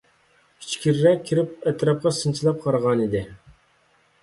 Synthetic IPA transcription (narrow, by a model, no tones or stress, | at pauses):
i̥t͡ʃʰkʲiɾɾɛkʲʰːiɾɪp̚ɛt̪ɾɑp̚qɑsɨnt͡ʃʰilˠɑp̚qʰɑɾʁɑnid̪ɪ